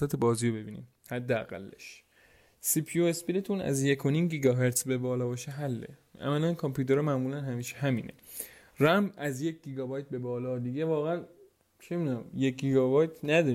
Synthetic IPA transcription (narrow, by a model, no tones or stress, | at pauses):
sæt̪ʰebɒːzijobe̞biːnḭm | hæd̪ːeæ̰ɣæ̰lːḛʃ | sipʰijoespilet̪ʰunæ̰zje̞kʰo̞niːmɟiːɡɒɦeɾt̪sbebɒːlɒːbɒːʃeɦælːe̞̰ʔæ̰mælænkʰompʰjuːt̪ʰeɾɒmæmuːlænɦæmiːʃe̥ɦæmiːne̞̰ | ræmbæzjec̚ɟiɡɒːbɒjt̪̚be̞bɒːlɒːd̪iɟevɒːɣeæn | t͡ʃʰemid̪unæmjec̚ɟiɡɒbɒjt̪ʰnæd̪ɒːɾi